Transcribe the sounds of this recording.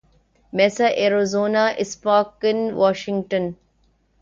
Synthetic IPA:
mesaʔeɾozoːnaʔɪspaːkinʋaːʃiŋɡʈən

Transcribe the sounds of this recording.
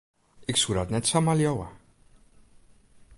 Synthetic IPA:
iksuɾad̪nɛt̪samaljɔwa̰

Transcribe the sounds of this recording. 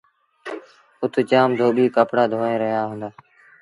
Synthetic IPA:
ʊt̪ʰt͡ʃaːmd̪ʱoːɓiːkəpɽaːd̪ʱoːẽːɾəɦjaːɦʊ̃ːnd̪aː

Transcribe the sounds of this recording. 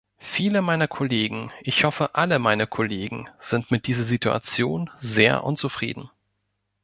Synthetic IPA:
fiːləmaɪnɐkʰoleːɡŋ̩ʔɪçhɔfəʔaləmaɪnəkʰoleːɡŋ̩z̥ɪntmɪt̚d̥iːzɐzitua̰t͡sjoːnzeːɐʔʊ̰nt͡sufʁ̥ḭːdn̩

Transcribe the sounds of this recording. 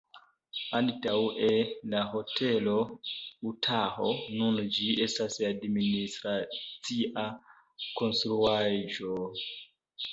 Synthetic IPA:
antawelaɦo̞tʰe̞lo̞utʰaɦonund͡ʒie̞stasadministɾat͡siʔa | ko̞nstɾuaʒo

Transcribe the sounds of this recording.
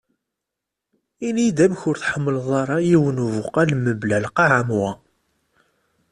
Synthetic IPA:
inid̪æmçʊɾθħəmːəlðˤɑɾˤɑjiwənuvʊqælməblælqɑʕamwæ

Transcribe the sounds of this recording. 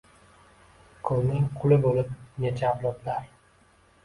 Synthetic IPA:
kʰolˠnɪŋqʰʊlˠɪbolɪp̚net͡ʃʰaːblˠɒb̪laɾ

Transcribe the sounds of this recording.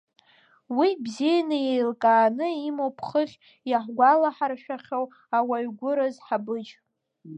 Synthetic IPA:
wibzijanɨjejlkʼaːnɨimopʰχəχʲ | jaħʷɡʷalaħarʃᶣaχʲow | awaɥɡʷʊɾazħabɨd͡ʒ

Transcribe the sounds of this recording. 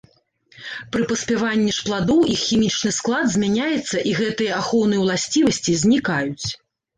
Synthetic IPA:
pɾɨpɐsʲpʲɛvanʲːiʂplˠad̪ɔwixxːʲimʲit͡ʂnɨsklˠad̪zʲmʲanʲajɛt̪sːɐʔiɣɛt̪ɨjɐaxɔwnɨjɐwlˠasʲt͡sʲivɐsʲt͡sʲizʲnʲikajut͡sʲ

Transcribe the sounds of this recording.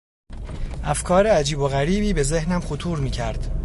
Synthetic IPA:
ʔæfkʰɒːɾeæd͡ʒiːbo̞ɣæɾiːbiːbe̞ze̞hnæmχot̪ʰuːɾmiːcʰæɾd̪̥

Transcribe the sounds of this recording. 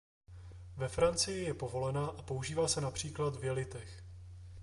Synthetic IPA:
vɛfɾant͡sɪjɪjɛpo̞vo̞lɛnaːʔapo̞uʒiːvaːsɛnapr̝̥iːklad̪vjɛlɪt̪ɛx

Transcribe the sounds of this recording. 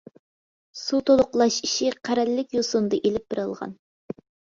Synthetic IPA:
sut̪ʰolˠʊqlˠɑʃi̥ʃiqʰæɾɛlːɪkʲjosund̪ɨʔelɪp̚b̥ɪɾɨlˠʁɑ̰n

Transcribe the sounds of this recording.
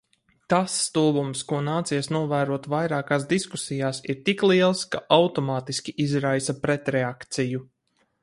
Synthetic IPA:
t̪asːt̪uːbumskuɔnaːt̪siɛsnuɔvæːɾuɔt̪vajɾaːkaːsd̪iskusijaːsiɾt̪iklˠiɛlˠskaʔawt̪ɔmaːt̪iskʲiʔizɾajsɐpɾɛt̪ɾɛakt̪siju

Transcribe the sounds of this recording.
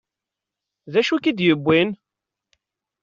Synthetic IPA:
ðæʃukid̪jəbʷːin

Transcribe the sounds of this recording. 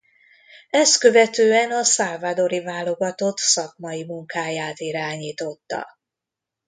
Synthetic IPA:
ɛst̪kø̞vɛt̪øːɛnɒsalvad̪o̞ɾivaːlo̞ɡɒt̪o̞t̪sɒkmɒimuŋkaːjaːt̪iɾaːɲiːt̪o̞t̪ːɒ̰

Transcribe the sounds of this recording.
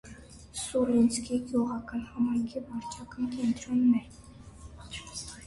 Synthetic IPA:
sulinskiɡjuʁɑkɑnhɑmɑjŋkʰivɑɾt͡ʃʰɑkɑnkɛnt̪ɾɔnmɛɾ

